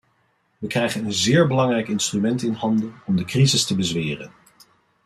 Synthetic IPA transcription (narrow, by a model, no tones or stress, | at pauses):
ʋəkrɛjχənənzɪːɹbəlɑŋrɛjkɪnstrymɛntɪnɦɑndəɔmdəkrizɪstəbəzʋɪːrə̰n